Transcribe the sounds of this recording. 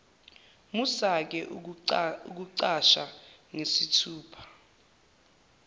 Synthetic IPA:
musak̬ɛʔ | uk̬uǀaʃa̰ŋesitʰuːpʰḁ

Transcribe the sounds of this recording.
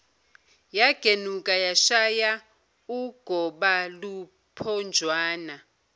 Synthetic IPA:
jaɡ̥ʱenukʼajaʃaja | uɡ̥ʱɔɓalu | pʰɔnd͡ʒʱwaːna

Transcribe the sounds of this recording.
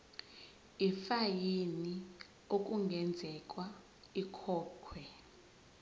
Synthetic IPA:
ifajini | ok̬ʼuŋɡʱɛnd͡zʱɛkʼwa | ikʰɔːkʰwɛ

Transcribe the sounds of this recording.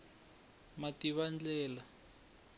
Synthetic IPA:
matiβand͡ɮɛːla

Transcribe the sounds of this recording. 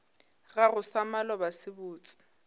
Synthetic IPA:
ɣarʊsamalɔbasɪbuːt͡sʼɪ̥

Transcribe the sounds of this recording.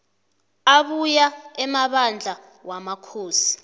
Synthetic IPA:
aɓujaɛmaɓand͡ɮʱa | wamakʰoːsi̥

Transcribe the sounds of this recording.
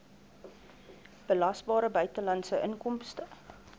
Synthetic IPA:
b̥əlɐsbɑːɾəbœɥtəlɐnsəʔənkɔmstə

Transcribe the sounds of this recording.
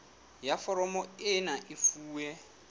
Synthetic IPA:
jafɔɾɔmɔɪnaʔɪfuːwɛ

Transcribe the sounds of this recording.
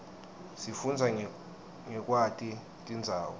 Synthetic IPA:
sifund͡zʱa | ŋɛk̬ʼwatʼi | tʼind͡zʱaːwɔ

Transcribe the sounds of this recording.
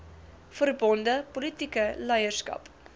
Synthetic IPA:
fərbɔndəpolitikəlɛjərskɐ̰p

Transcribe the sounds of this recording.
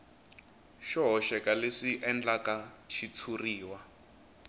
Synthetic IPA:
ʃɔɦɔʃɛkaleʂiʔɛnd͡ɮakaʃit͡sʰuriːwa

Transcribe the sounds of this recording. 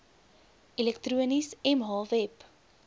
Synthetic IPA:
ilɛktruənisɛmɦɑːvɛp

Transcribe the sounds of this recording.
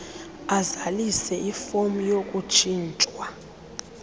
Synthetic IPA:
azalisɛʔifomujokʼut͡ʃʰʼiːnt͡ʃʼwa

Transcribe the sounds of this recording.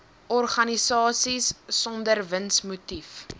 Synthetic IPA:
ʔɔrχɐnisɑːsisːɔndərvənsmutif

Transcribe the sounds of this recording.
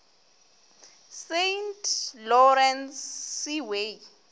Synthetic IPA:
sentʰʼlɔɾɛnsːiwe

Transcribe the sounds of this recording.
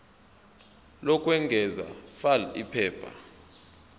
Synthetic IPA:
lɔkʼwɛŋɡʱɛza̰falḭpʰɛːbʰʱʼa̰

